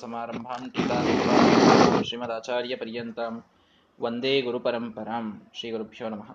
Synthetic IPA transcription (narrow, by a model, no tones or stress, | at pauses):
sɐmaːɾɐmbʱaːmt̪it̪aːsɐkɐʋaːʃɾiːmɐd̪aːt͡ʃaːɾjɐpɐɾjɐnt̪aːm | ʋɐnd̪eːɡuɾupɐɾɐmpɐɾaːmʃɾiːɡuɾubʱjoːnɐmɐɦɐ